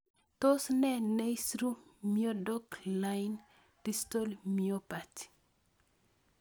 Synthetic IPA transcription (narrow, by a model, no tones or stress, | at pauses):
tosnɛnejsɾumiodɔklajn | tistolmiopati̥